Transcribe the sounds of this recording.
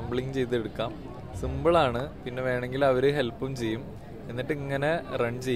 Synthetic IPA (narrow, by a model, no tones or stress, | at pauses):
ɐmbɭiŋɡɨt͡ɕe̞jt̪̬ːeɽukːaːm | simbɨɭaːɳɨpinːe̞ʋe̞ːɳe̞ŋɡilɐʋɐɾuɦe̞lpːumt͡ɕe̞jːum | e̞nːiʈːɨiŋːɐne̞rɐɳɖt͡ɕe̞